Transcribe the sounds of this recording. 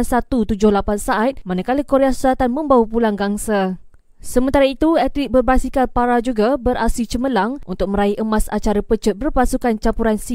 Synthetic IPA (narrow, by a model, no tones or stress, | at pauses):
nsat̪ut̪ud͡ʒʊhlapansaʔat̪̚manakaləkoɾeasu̥sat̪anmə̃mbawupulaŋɡaŋsa | səmənt̪aɾait̪uɛt̪lik̚bərbasikanpaɾad͡ʒuɡabəɾʔasit͡ʃəməlaŋʔṵnt̪ʊk̚mə̃ɾaiʔəmãsat͡ʃaɾapət͡ʃət̪̚bərpasukant͡ʃapuɾansi